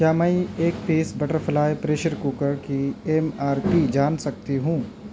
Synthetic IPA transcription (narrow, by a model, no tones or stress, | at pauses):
kjaːmɛĩeːk̚peːsbɐʈəɾpʰɐlaːepɾeːʃəɾkuːkəɾkieːmaːɾpid͡ʒaːnsɐk̚t̪iɦũː